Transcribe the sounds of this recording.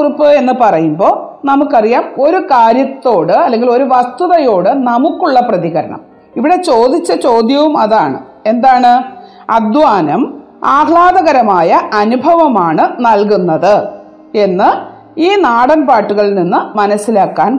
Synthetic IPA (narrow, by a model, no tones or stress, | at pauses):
rupːɨe̞nːɨpɐrɐjumbo̞ːnɐmukːɐrijaːmo̞ɾukaːɾjɐt̪ːo̞ːɽɨɐlːe̞ŋɡilo̞ɾuʋɐst̪uðɐjo̞ːɽɨnɐmukːuɭːɐprɐðiɣɐɾɐ̰ɳɐ̰m | iʋiɽe̞t͡ɕo̞ːd̪it͡ɕːɐt͡ɕo̞ːd̪jɐʋumɐðaːɳɨ̰ | e̞nd̪aːɳɨ | ɐ̰d̪ʋaːnɐm | aːhɭaːðɐɣɐɾɐmaːjɐɐnubʱɐʋɐmaːɳɨnɐlk̬unːɐðɨ | e̞nːɨ | iːnaːɽɐnpaːʈːuɣɐɭninːɨmɐnɐsːilaːkːaːn